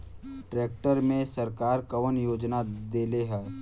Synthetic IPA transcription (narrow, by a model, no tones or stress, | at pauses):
ʈɾeːk̚ʈəɾmẽsəɾkaːɾkɐʋənjoːd͡ʒnad̪eːleɦɛː